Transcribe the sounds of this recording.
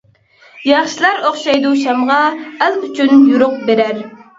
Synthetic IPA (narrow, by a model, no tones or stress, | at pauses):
jɑχʃilˠɑɾoχʃɑjd̪uʃɑmʁɑælˠyt͡ʃʰynjuɾʊq̚beɾæɾ